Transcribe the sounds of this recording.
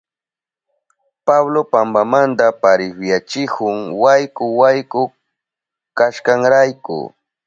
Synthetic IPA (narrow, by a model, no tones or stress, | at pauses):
paβlopambamant̪apaɾɪfjat͡ʃɪkʊŋwajkʊwajkʊ | kaʃkaŋɾajkʊ̰